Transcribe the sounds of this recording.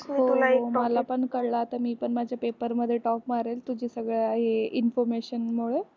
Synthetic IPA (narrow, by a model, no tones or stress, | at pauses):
oulaməlapəɳkəɽlaːt̪amiːpəɳmad͡ʑʱjapepəɾməd̪ʱːjeʈɔpmaɾelt̪ud͡ʑʱiːsəɡɭaɦeinfɔɾmeɕənmoɭe